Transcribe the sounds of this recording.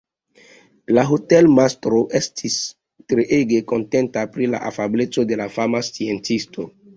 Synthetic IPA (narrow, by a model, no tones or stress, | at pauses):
laɦote̞lmastɾo̞ʔe̞stʰis | tɾeʔeɡe̞ko̞nte̞ntapɾila̰ʔafablet͡so̞de̞lafamast͡sie̞nt͡sistʰo̞